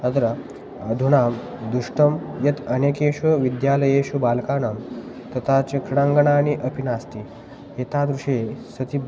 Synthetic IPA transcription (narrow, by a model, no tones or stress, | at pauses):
ət̪ɾə | əd̪ʱuɽaːm | d̪uʂʈəmjɐt̪ʰənekeːɕuʋid̪jaːləjeɕubaːlkanɐm | t̪ɐt̪ʰat͡sekʰɾiɽãŋɡəɳaːñiʔɐpinast̪i | ɦet̪ad̪ɾuʂesɐt̪ib